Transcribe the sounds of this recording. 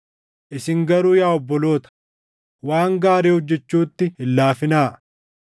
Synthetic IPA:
ʔɪsɪŋɡɐɾuːjaːɔbːɔlo̞ːt̪ɐ̥ | waːŋɡaːɾeːhɔd͡ʒːɛt͡ʃːuːt̪ːɪɪlːaːfɪnaː

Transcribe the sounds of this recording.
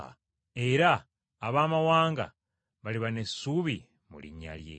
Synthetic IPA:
e̞ɾaː | βaːmawaːŋɡa̰ | βaliβane̞suβi | mṵlḭɲa̰ljḛ

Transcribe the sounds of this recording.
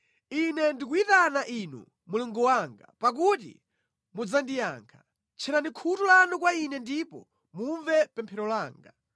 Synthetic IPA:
inɛndikuitanaʔinṵ | muluŋɡɔwaŋɡa̰pak̬utḭ | mud͡zandija̰ŋkʰḁ | t͡ʃʰɛɾanikʰutulanukwainɛndipɔ̰ | muɱvɛpɛmpʰɛɾɔlaːŋɡa

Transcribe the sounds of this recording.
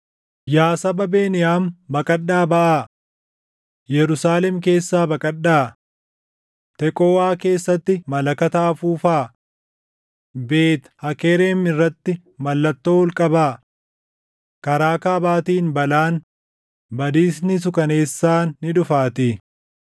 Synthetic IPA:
jaːsɐbɐbe̞ːnɪjaːmbɐkʼɐɗːaːbɐʔaː | jɛɾʊsaːlɛmke̞ːsːaːbɐkʼɐɗːaː | t̪ɛkʼoːwaːke̞ːsːɐt̪ːɪmɐlɐkɐt̪aːfuːfaː | be̞ːt̪hɐkeːɾeːmɪrːɐt̪ːɪ | mɐlːɐt̪ːoːwɔlkʼɐbaː | kɐɾaːkaːbaːt̪iːnbɐlaːn | bɐd̪iːsnɪs̬ʊkɐneːsːaːnːɪᶑʊfaːt̪ɪ

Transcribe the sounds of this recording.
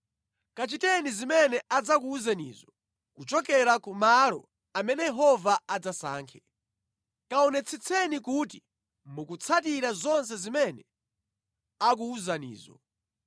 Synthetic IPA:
kat͡ʃitɛnizimɛnɛʔad͡zakuuzanḭːzɔ | kut͡ʃɔkɛɾakumalɔ̰ | amɛnɛjɛɦɔvaad͡zasa̰ːŋkʰɛ̥ | kaɔnɛt͡sʰit͡sʰɛnikuti | mukut͡sʰatiɾazɔns̬ɛzimɛnɛ | ak̬uuzanḭːzɔ̰

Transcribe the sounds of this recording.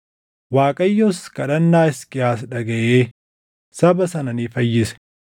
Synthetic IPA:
waːkʼɐjːɔskʼɐᶑɐnːaːɪskʼɪjaːsᶑɐɡɐʔeː | sɐbɐsɐnɐniːfɐjːɪsɛ̥

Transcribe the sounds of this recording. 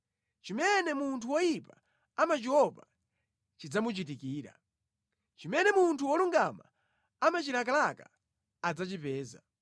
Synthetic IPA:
t͡ʃimɛnɛmuntʰuwɔjipa | amat͡ʃiwɔpa | t͡ʃid͡zamut͡ʃitikiːɾa̰ | t͡ʃimɛnɛmuntʰuwɔluŋɡama̰ | amat͡ʃilak̬alaka | ad͡zat͡ʃipɛːza̰

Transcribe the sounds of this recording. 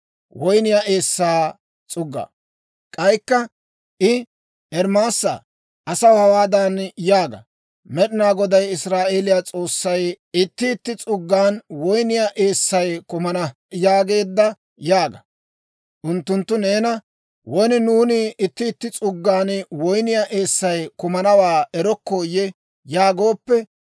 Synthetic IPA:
wɔjnɪjaʔe̞ːsːaː | t͡sʼʊɡːɐ̰ | kʼɐjkːɐ | ʔɪ | ɛɾmaːsːɐ̰ | ʔɐsɐwhɐwaːd̪anjaːɡɐ̰ | mɛɗɪnaːɡɔd̪ɐjɪsɾaːʔe̞ːlɪjaːt͡sʼo̞ːsːɐj | ɪt̪ːɪːt̪ːɪt͡sʼʊɡːaːnwɔjnɪjaʔe̞ːsːɐjkʊmɐnɐ | jaːɡe̞ːd̪ːɐ | jaːɡɐ | ʔʊnt̪ːʊnt̪ːʊne̞ːnɐ | wɔjnɪnuːnɪʔɪt̪ːɪːt̪ːɪt͡sʼʊɡːaːnwɔjnɪjaʔe̞ːsːɐjkʊmɐnɐwaːʔɛɾɔkːo̞ːjɛ | jaːɡo̞ːpːɛ

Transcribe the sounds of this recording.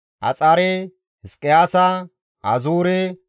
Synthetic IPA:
ʔɐ̰t͡sʼaɾe | hɪskʼːɪjaːsɐ | ɐzuːɾe

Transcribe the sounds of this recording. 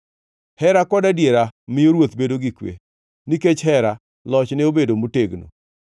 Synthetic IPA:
hɛɾakɔdadjeɾamɪjoɾwot̪bedoɡikwḛ | niket͡ʃɦɛɾa | lɔt͡ʃnɪobedomoteɡno̰

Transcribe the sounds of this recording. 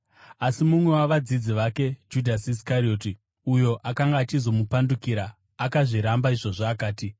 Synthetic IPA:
asimumwe̞waʋad͡zid͡ziʋake̞d͡ʒudʱasis̬kaɾio̞ːti | ujo̞ʔakaŋɡaːt͡ʃizo̞mupandukiɾaː | kaʐiɾambaiʐo̞ʐaːkaːti

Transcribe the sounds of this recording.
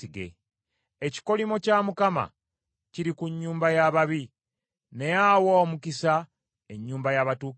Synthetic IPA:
iɡḛ | eci̥ko̞limo̞camukama̰ | ciɾikuɲːuːmbajaβaβi | ne̞jawoːmukisa | e̞ɲːuːmbajaβatuː

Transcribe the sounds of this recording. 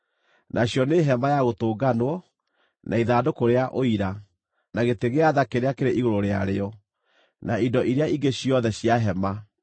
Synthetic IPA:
nʔaɕjɔneɦɛmajaɣotoːɡanwɔ | nʔaiðaːdokoɾeaʔoiɾa | naɣeteɣeaðakeɾeakeɾeʔiɣoɾoɾea̰ɾeɔ | naindɔʔiɾeaiŋɡeɕjɔðɛɕjaɦɛma

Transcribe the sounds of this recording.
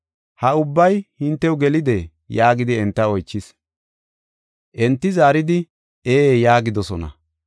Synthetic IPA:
hɐʊbːɐjhɪnt̪ːɛwɡɛlɪd̪ɛ | jaːɡɪd̪ɪɛnt̪ːɐɔjt͡ʃːɪs | ʔɛnt̪ːɪzaːɾɪd̪ɪ | eːjaːɡɪd̪ɔsɔnɐ̰

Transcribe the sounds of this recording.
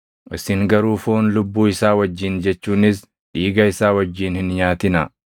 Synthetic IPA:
ʔɪsɪŋɡɐɾuːfoːnlʊbːuːɪsaːwɐd͡ʒːɪnd͡ʒɛt͡ʃːuːnɪs | ᶑiːɡɐɪsaːwɐd͡ʒːiːnhɪnɲaːt̪ɪnɐ̰

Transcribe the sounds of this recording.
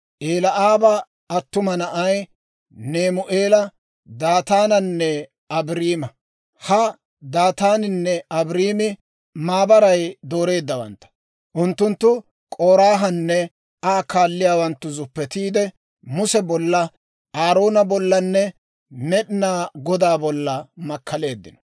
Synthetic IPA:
ʔeːlɐʔaːbɐ | ɐt̪ːʊmɐnɐʔɐj | ne̞ːmʊʔeːlɐ | d̪aːt̪aːnɐnːɛ | ɐbɾiːmɐ | hɐ | d̪aːt̪aːnɪnːɛɐbɾiːmɪ | maːbɐɾɐjd̪o̞ːɾe̞ːd̪ːɐwɐ̰nt̪ːɐ̥ | ʔʊnt̪ːʊnt̪ːʊ | kʼoːɾaːɦɐnːɛ | aːkaːlːɪjaːwɐnt̪ːʊzʊpːɛt̪iːd̪ɛ | mʊsɛbɔlːɐ | aːɾo̞ːnɐbɔlːɐnːɛ | mɛɗɪnaːɡɔd̪aːbɔlːɐmɐkːɐle̞ːd̪ːɪ̰nɔ̥

